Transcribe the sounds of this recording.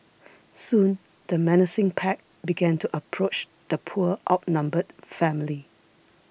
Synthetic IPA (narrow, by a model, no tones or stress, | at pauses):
sũn | d̥əmɛnəsɪ̃ŋpʰɛk̚ | biɡɛ̃ntuʔəpʰɹot͡ʃ | d̪̥əpʰuəʔa̰ʊt̚nãmbəd̥fɛ̃mɪli